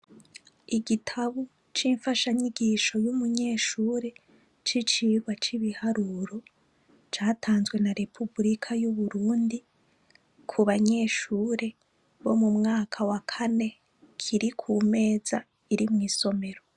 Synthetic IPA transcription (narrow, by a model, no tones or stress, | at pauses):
iɡitʰaβu | t͡ʃiːɱfaʃaɲiɡiʃo̞jumuɲe̞ːʃuːɾe̞ | t͡ʃit͡ʃiːɡɡwat͡ʃiβihaɾuːɾo̞ | t͡ʃaːtʰaːnzɡwe̞naɾe̞pʰubɾikʰajuβuɾuːndi | kʰuβaɲe̞ːʃuːɾe̞ | βo̞mumŋaːkʰawakʰane̞ | kʰiɾikʰuːme̞ːza | iɾimŋiːso̞me̞ɾo